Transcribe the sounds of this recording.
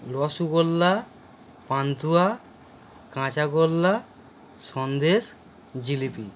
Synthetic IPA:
lɔsuɡolːa | pant̪ua | kãt͡ɕaɡolːa | ʃɔnd̪eʃ | d͡ʑilipi

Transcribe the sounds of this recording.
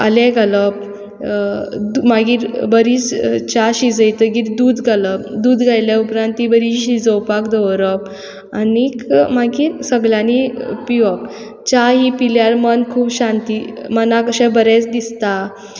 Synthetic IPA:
a̰lɛ̃ɡʱaləp | d̪umaɡiːɾbəɾit͡st͡ɕaɕid͡zəjt̪əɡiːɾd̪uːd̪ɡʱaləpd̪uːd̪ɡʱajlaupɾãnt̪ibəɾiɕid͡zəwpakd̪əɾəp | anikmaɡiːɾsəɡljãnipiʋək | t͡ɕaɦipiljaɾmənkʰuːbɕãnt̪iːmənãkəɕɛ̃bəɾɛt͡sd̪ist̪a

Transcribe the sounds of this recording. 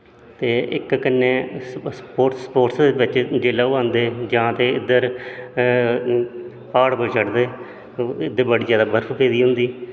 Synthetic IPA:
t̪eːɪ̰kkənːeːspoːʈsə̥poːʈsd̪eːʋɪt͡ʃd͡ʒeːlaːuãːnd̪eːd͡ʒãːt̪eːɪd̪əɾ | paːɽbəd͡ʒəʈd̪eː | ɪd̪əbəɽiːzjaːd̪aːbəɾfpeːd̪iːɦʊ̃nd̪iː

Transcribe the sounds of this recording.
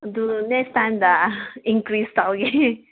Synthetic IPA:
dunɛkstãɪmd̪aĩŋkɾistalɡi

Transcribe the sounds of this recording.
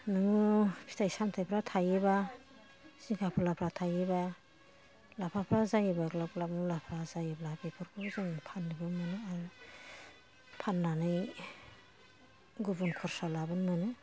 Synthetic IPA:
nɯŋupʰi̥tʰajsamtʰajpʰɾatʰajeba | sikʰapʰalapʰɾatʰajeba | lapʰapʰɾazajebaɡlaɡlap̚mulapʰɾazajeblabekʰɔɾkʰɯbzɯŋpʰanːibɯnmɯnɯaɾɯ | pʰanːanɯj | ɡubunkʰɔɾsalabɯnmɯnɯ

